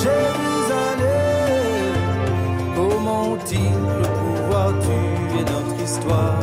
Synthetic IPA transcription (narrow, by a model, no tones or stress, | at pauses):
ʒevizale | omɔ̃ | t̪iləpuvwaʁd̪y | enɔt̪χist̪waːʁ